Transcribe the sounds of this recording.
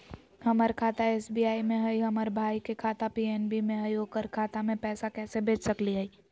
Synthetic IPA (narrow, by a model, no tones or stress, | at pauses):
həməɾkʰat̪aeːsbiaːimẽɦəjɦəməɾbʱaːikekʰat̪apienbimẽɦəjokəɾkʰaːt̪amẽpɛːsakɛːsebʱeːt͡ʃsəkliɦəi